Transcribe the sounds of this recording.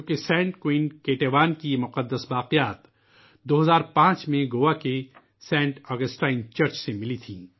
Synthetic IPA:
d͡ʒoːkesɛ̃ːɳʈkwiːnkeːʈeːʋaːnkimʊqəd̪ːəsbaːqijaːt̪ | d̪oːɦɐzaːɾpãːt͡ʃmẽɡoːake | sɛ̃ːɳʈɔːɡəsʈaːɪnt͡ʃəɾt͡ʃsemɪlit̪ʰĩː

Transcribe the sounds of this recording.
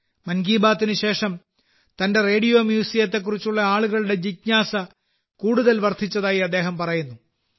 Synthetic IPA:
mɐnɡiːbaːt̪ːinɨɕe̞ːʂɐm | t̪ɐnde̞reːɽijo̞ːmjuːsijɐt̪ːe̞kːurit͡ɕːuɭːɐaːɭuɣɐɭuɽe̞d͡ʑik̚ɲaːsɐ | kuːɽuðɐlʋɐrt̪ʰit͡ɕːɐðaːjiɐd̪ːe̞ːɦɐmpɐrɐjunːu

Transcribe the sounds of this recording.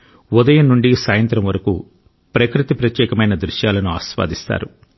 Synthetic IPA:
ud̪ɐjɐnːuɳɖisaːjɐnt̪ɾɐmʋɐɾɐkṵ | pɾɐkɾit̪ipɾɐt̪jɛːkɐmɐjnɐd̪ɾuʃjaːlɐnuaːsʋa̰ːd̪ist̪a̰ːɾu

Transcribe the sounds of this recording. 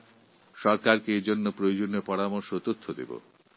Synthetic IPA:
ʃɔɾkaɾkeed͡ʑonːopɾojod͡ʑonːepɔɾamoɾʃot̪ot̪ʰːod̪ḛbo̰

